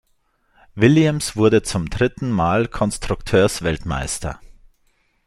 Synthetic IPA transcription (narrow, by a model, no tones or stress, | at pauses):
vɪljɛmsv̥ʊɐdət͡sʊmdʁɪtn̩maːlkʰɔnstʁ̥ʊktʰøːɐsv̥ɛltma̰ɪstʰɐ̰